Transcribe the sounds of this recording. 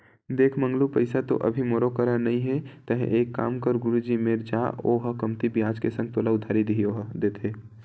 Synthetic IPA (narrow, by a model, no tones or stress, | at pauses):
d̪eːkʰmə̃ŋɡlupəɪsat̪o̰ʔɐ̰bʱimoːɾokəɾənɐɦĩɦɛt̪əɦɛ̰̃ʔeːkːa̰ːmkəɾɡʊɾud͡ʒimeɾd͡ʒaːoːɦəkɐmt̪ibijaːd͡ʒkesə̃ŋɡ̚t̪oːlaʊd̪ʱaːɾid̪iijoɦd̪eːt̪ʰe